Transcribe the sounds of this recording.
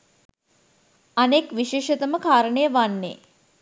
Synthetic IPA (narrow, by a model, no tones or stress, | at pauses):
anekʋiʃeːʃɐt̪əməkʰaːɾəɳəjəʋanːḛ